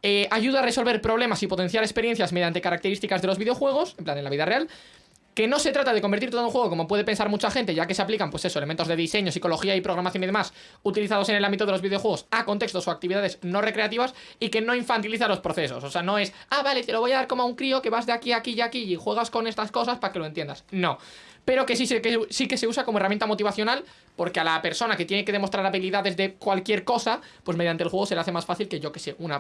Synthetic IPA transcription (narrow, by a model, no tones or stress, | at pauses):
eaʝuðare̞so̞lβe̞ɾpɾo̞βle̞masipo̞t̪e̞n̟θjaɾespe̞ɾje̞n̟θjazme̞ðjant̪ekaɾakt̪eɾist̪ikazðe̞loβiðeo̞xwe̞ɣ̞o̞semplane̞nlaβiðare̞al | ke̞no̞se̞t̪ɾat̪aðeko̞mbeɾt̪iɾt̪ouŋxweo̞ko̞mo̞p̬we̞ð̞e̞pensaɾmut͡ʃaxe̞nt̪e̞ʝake̞se̞aplikampwe̞se̞so̞element̪o̞zðe̞ðise̞ɲo̞siko̞lo̞xiaipɾo̞ɣɾamaθjoniðemas | ut̪iliθað̞ose̞ne̞lambit̪o̞ð̞eloβiðeo̞xwe̞ɣo̞sakont̪e̞kst̪o̞soakt̪iβiðaðe̞zno̞re̞kɾe̞at̪iβas | ike̞no̞iɱfant̪iliθalo̞spɾo̞θe̞so̞̰sose̞ano̞e̞s | aβale̞t̪elo̞βojaðaɾko̞moauŋkɾio̞ke̞βazðeakiakiʝakiixwe̞ɣasko̞ne̞st̪asko̞saspake̞lont̪je̞nd̪a̰sno̞ | pe̞ɾo̞kesisekesike̞se̞usako̞moeramjẽnt̪amo̞t̪iβaθjo̞nal | po̞ɾkealape̞ɾso̞nake̞t̪je̞ne̞ke̞ð̞e̞mot̪ɾaɾaβiliðaðe̞zðe̞kwalkje̞ɾko̞sapweme̞ðjant̪elxwe̞ɣ̞o̞s̬elaθe̞masfaθilke̞ʝo̞ke̞se̞ʔuna